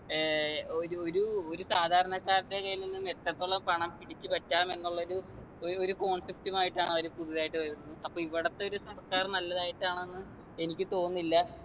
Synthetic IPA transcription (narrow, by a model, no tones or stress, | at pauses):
oɾoɾuoɾusaːd̪ʱaːɾɐɳɐkːaːɾɐtːekɐjilinːumet̪ːɐt̪ːoɭːɐpɐɳɐmpiɽit͡ɕːɨpɐʈːaːme̞nːuɭːɐo̞ɾu | oo̞ɾuko̞ːɳsep̚ʈumaːjiʈːaːɳɐʋɐɾupuðiðaːjiʈːɨʋɐɾunːɐðɨɐpːoːiʋiɽɐt̪ːeoɾusɐrskaːrnɐlːɐðaːjiʈːaːɳenːɨ | enikʲːɨt̪o̞ːnːilːɐ